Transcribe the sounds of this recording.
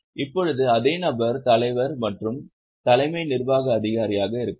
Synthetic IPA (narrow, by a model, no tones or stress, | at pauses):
ɪpːɔɻɯðɯɐðeːnɐbɐɾt̪ɐlɐɪʋɐɾmɐʈrɯm | t̪ɐlɐɪmɐɪnɪrʋaːɣɐːðɪɣaːɾɪjaːɣɐɪɾɯkː